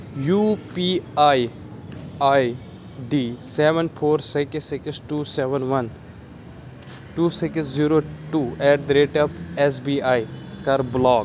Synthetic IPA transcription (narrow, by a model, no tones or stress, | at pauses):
juːpiaj | aj | ɖiːseːʋə̃npʰoːɾsɪksɪksʈuːseːʋənʋɐn | ʈuːsɪksziːɾoːʈuːɛːʈd̪ɾeːʈɐpes̬biːajkɐɾblɔːk